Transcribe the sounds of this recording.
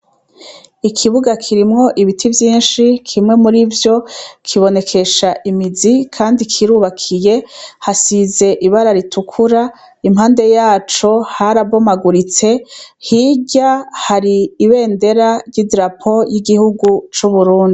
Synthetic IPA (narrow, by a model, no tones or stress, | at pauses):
ikʰiβuɡakʰiɾimŋo̞ʔiβitʰivjiːnʃikʰimŋe̞muɾivjo̞kʰiβo̞ne̞kʰe̞ʃaʔimizikʰaːndikʰiɾuːβakʰije̞hasize̞ʔiβaɾaɾitʰukʰuɾa | imhaːnde̞jaːt͡ʃo̞haɾaβo̞maɡuɾit͡se̞hiɟahaɾiːβe̞ːnde̞ɾaɾɟidɾapʰo̞jiɡihuɡut͡ʃuβuɾuːndii